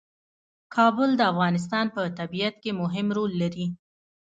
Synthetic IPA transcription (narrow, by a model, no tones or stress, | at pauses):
kʰɑbʊld̪əafɣɑnɪs̬t̪ɑnpət̪abijat̪̚kemʊɦɪmɾolːaɾi